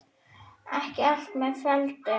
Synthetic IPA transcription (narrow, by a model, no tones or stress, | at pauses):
ɛhcɪal̥t̪mɛðfɛlt̪ɪ